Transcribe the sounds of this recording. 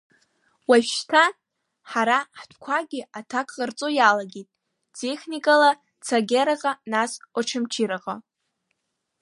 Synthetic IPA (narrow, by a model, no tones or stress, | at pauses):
waʃtʰa | ħaɾaħtʷʰkʷʰaɡʲɪatʰakʰʼχart͡sʼojalaɡʲetʼ | tʰʼeχnikʼala | t͡sʰaɡʲeɾaqʼanasʷaʈ͡ʂʰɨmt͡ʃʰiɾaqʼa